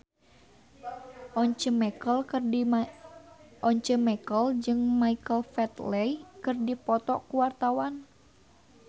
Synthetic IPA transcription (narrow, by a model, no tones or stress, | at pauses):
ʔɔɲt͡ʃəmɛkəl | ʔɔɲt͡ʃəmɛkəld͡ʒɨŋmaikəlfɛt̪lɛjkɨrdipɔt̪ɔʔkuwart̪awan